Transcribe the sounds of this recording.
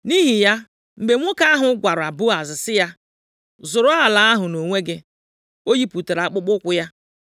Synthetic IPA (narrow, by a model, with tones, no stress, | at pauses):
ni˦ɦi˨ja˦ | m̩˨be˨ŋʷo˦ka˦a˦ɦʊ˦ɡʷa˨ɾʊ˨a˨bʊ˦a˨zɪ˨sɪ˦ja˦ | zʊ˨ɾʊ˦a˦a˨la˨a˦ɦʊ˨no˨ŋʷe˦ɡe˦ | o˦ji˦pu˨te˨ɾa˨k͡pʊ˦k͡pʊ˦kʷʊ˦ja˦